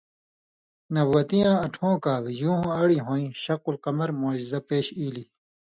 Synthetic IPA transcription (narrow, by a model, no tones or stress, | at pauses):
nɐbwɐt̪ijãːɐʈʰõːkaːljũːɦõɐɽiɦõːĩɕɐqulqɐmɐɾmoːd͡ʑizɐpeːɕiːli